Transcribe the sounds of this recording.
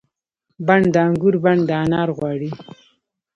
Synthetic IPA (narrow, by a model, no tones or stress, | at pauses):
baɳd̪aaŋɡuɾbaɳd̪ɑnɑɾɣwɑɽi